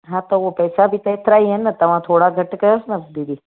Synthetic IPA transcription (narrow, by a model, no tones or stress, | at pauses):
ɦãt̪oopəjsabʱit̪əjt̪ʰɾajenːət̪əʋãt̪ʰoːɽaɡʱəʈkəjosnɐd̪id̪ʱi